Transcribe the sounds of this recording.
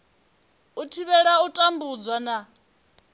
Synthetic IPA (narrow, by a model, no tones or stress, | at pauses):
utʰiβɛɺautʼambud͡zwana